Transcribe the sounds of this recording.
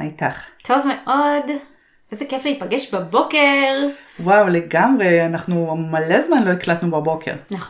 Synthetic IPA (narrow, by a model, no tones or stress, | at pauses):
ajtaχt̪ʰo̞vmeʔod | ʔezekefliipaɡeʃbabo̞keʁwawleɡamʁeanaχnumalezmanlo̞eklat̪nubabo̞kʰe̞̰ʁnaχ